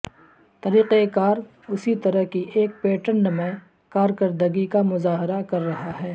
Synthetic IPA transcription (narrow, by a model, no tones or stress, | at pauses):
t̪ɐɾiːqekaːɾ | ʊsit̪ɐɾəɦkiʔeːk̚peːʈənːɐmɛ̃ | kaːɾkɐɾd̪əɡikamʊzaːɦɪɾakɐɾːɐɦaɦɛː